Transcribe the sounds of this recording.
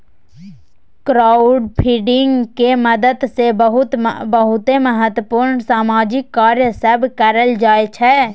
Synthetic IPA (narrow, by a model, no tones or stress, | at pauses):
kɾaːʊɖpʰiɖɪŋɡkeməd̪əd̪sebɦʊt̪bəɦʊt̪eməɦət̪wəpuːɾɳsaːmaːd͡ʒɪkːaːɾjəsəbkəɾəld͡ʒaːet͡ʃʰɛ